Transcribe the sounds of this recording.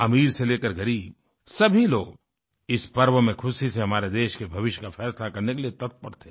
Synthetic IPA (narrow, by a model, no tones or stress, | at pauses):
ɐmiːɾseleːkəɾɡɐɾiːb̚ | sɐbʱiloːɡ | ɪspɐɾʋəmẽkʰʊsiseɦɐmaːɾed̪eːʃkebʱɐʋɪʃjkafɛːslakɐɾnekeliet̪ɐt̪̚pɐɽt̪e̥ː